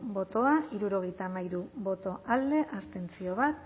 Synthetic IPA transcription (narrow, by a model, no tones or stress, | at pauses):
bo̞t̪o̞aiɾuɾo̞ɣ̞e̞jt̪amajɾuβo̞t̪o̞ʔald̪e̞ʔast̪e̞nt͡sio̞β̞at̪